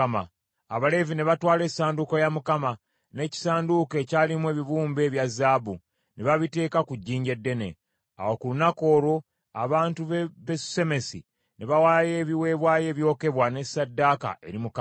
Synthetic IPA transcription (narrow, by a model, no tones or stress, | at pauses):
maː | βale̞vine̞βatwaːle̞ːsaːndukojamukama | ne̞ːci̥saːnduke̞ːcaːlimwe̞ːβiβuːmbe̞ːβjazːaːbu | neβaβite̞ːkakuɟːiːɲɟe̞dːene̞̰ | a̰wokulunako̞ːɾo̞ | aβaːntuββesse̞me̞si | neβawajeːβiwe̞ːβwaːje̞ːβjo̞ːke̞βwane̞sadːaka̰ʔe̞ɾimuka